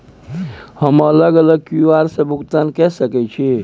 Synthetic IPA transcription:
həmələɡələɡ̚kuaɾsə̃bʱukt̪ankɛsəkɛt͡ʃʰi

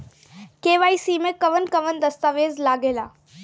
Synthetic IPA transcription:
keːʋaːisiːmẽkɐʋənkɐʋənd̪ɐst̪aːʋeːzlaːɡeːlaː

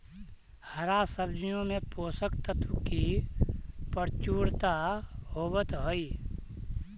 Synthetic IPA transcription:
həɾasəbd͡ʒijõmẽpoːsəkt̪ət̪ʰuki | pəɾt͡ʃuːɾt̪aɦoːbət̪ɦoi

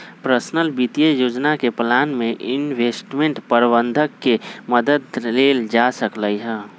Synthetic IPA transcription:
pɾəsnəlbit̪ijəjod͡ʒnakeplanmeʔinbʱesʈmeɳʈpəɾbənd̪ʱəkːeməd̪əd̪leld͡ʒasəkləjɦə

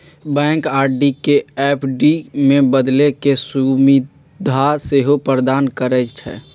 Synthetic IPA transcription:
bɛ̃ːŋkaːɾɖikeɛpʰɖimẽbəd̪lekesumi | d̪ʱaseɦopɾəd̪aːnkəɾɛt͡ʃʰɛ̰

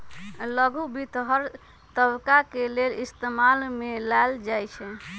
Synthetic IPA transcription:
ləɡubʱit̪ɦəɾ | t̪əbkakelelist̪emalmelaeld͡ʒajt͡ʃʰɛ

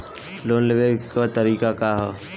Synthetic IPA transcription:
loːnleʋekat̪əɾiːkakaɦɛ

